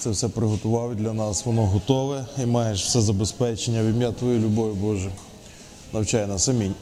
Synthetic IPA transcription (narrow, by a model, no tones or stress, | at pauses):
t̪sɛwsɛpɾɪɦɔt̪ʊʋɑwd̪ʲlʲɐnɑsʋɔnɔɦɔt̪ɔʋɛimɑjeʃw̥sɛzɐbespɛt͡ʃenʲːɐʋʲimʲjat̪ʋɔjulʲʊbɔʋʲʊbɔʒɛ | nɐwt͡ʃɑjnɐsɐmʲinʲ